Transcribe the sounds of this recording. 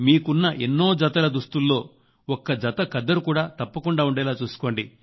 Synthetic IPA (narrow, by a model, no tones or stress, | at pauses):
miːkunːɐʔenːo̞ːd͡ʒɐt̪ɐlɐd̪ust̪ulːo̞ː | ɔkːɐd͡ʒɐt̪ɐkɐd̪ːɐɾukuːɽaːt̪ɐpːɐkuɳɖaːuɳɖɛːlaːt͡ʃuːsu̥ko̞ːɳɖi